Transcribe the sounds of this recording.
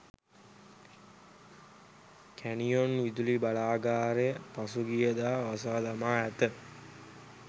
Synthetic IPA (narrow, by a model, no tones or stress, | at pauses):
kʰænijonʋid̪ulibɐlaːɡaːɾepɐsuɡijɐd̪aːʋɐsaːd̪ɐmaːæt̪ə